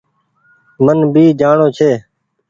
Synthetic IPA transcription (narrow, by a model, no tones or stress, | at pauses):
mənbiːd͡ʒaːɳoːt͡ʃʰeː